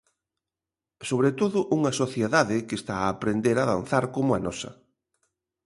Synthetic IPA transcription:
soβɾet̪oðʊʔuŋɐsoθjeðaðɪkest̪aaːpɾend̪eɾaðãn̟θaɾkomʊɐnɔsɐ

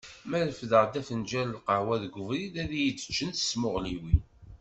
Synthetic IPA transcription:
mæɾfðəʁd̪æfənd͡ʒællqəʕwæðɡʷʊvɾiðæðijət͡sːə̥t͡ʃːənθə̥smʊʁliwi

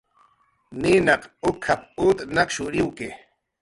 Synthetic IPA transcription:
ninaqʊkʰap̚ut̪naqʃuɾiwke

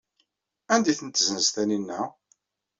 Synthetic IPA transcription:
ænd̪iθənt̪ːzənzt̪æninːæ

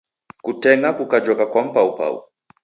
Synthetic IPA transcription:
kutɛŋɡakukad͡ʒɔkakwam̩paupa̰ṵ

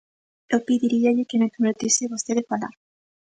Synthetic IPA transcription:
opiðiɾiaʎekemepɾoβeɾt̪iseβost̪eðefala̰ɾ

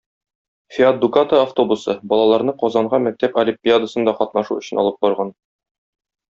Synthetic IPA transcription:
fʲiad̪d̪ːukat̪əaft̪o̞busɤbɒlˠɑlˠɑɾnɤqɒzɑɴʁɑmæk̚t̪æpɐlʲɪmpʲiad̪əsɤnd̪ɒqɒt̪nɑʃuɵ̆ɕɘ̆nɒ̰lˠɤp̚bɒɾʁɑn

